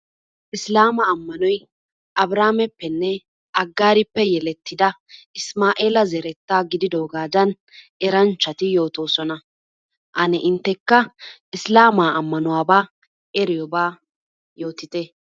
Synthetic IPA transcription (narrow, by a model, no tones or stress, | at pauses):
ʔɪslaːmɐːmːɐnɔj | ʔɐbɾaːmɛpːɛnːɛ | ʔɐɡːaːɾɪpːɛjɛlɛt̪ːɪd̪ɐ | ɪsmaːʔeːlɐzɛɾɛt̪ːaːɡɪd̪ɪd̪o̞ːɡaːd͡ʒɐn | ɛɾɐnt͡ʃːɐt̪ɪjo̞ːt̪o̞ːsɔnɐ | ʔɐnɛʔɪnt̪ːɛkːɐʔɪslaːmaːɐmːɐnʊwaːbaː | ɛɾɪjɔbaː | jo̞ːt̪ɪt̪ɛ